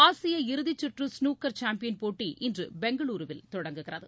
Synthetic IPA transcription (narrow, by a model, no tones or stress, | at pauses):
aːsɪjɐɪɾɯðɪt͡ʃːɪʈrɯsnuːkːɐɾt͡ʃaːmpɪjɐnpoːʈːiʔɪndrɯbɛŋɡɐɭuːɾɯʋɪlt̪ɔɽɐŋɡɯɣɪrɐðɯ